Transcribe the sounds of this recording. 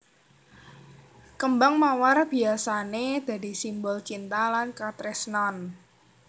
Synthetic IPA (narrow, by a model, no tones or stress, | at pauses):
kəmbaŋmawarb̥i̤asaned̪̥a̤d̪i̤simbɔlt͡ʃint̪alankat̪ɾɛsnɔn